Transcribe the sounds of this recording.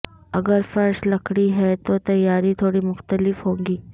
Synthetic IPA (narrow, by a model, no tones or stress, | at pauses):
əɡəɾfəɾsləkɽiːɦɛt̪ot̪əjaɾiːt̪ʰoɽiːmʊxt̪əlifɦoŋɡiː